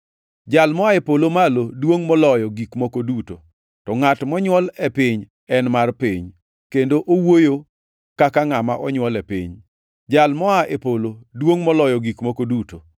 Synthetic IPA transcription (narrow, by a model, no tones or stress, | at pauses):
d͡ʒalmɔaepolomalodwoŋmɔlɔjɔɡikmokoduto | tɔŋatmɔɲwɔlɛpɪɲ | ɛnmarpɪɲ | kendoʔowojo | kakaŋamaʔɔɲwɔlɛpɪ̰ɲ | d͡ʒalmɔaʔepolodwoŋmɔlɔjɔɡikmokoduto